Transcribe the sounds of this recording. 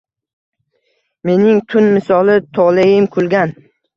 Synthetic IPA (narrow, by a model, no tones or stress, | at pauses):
me̞nɪŋt̪ʰʊnmɪsɒlˠɪt̪ʰɒʁlajɪmkʰʊlˠɡʲan